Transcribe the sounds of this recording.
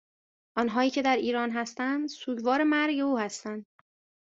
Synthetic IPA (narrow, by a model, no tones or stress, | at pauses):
ʔɒnɦɒːiːcʰe̞d̪æɾiːɾɒːnɦæst̪ænd̪suːɟvɒːɾemæɾɟe̞uːhæst̪ænd̪̚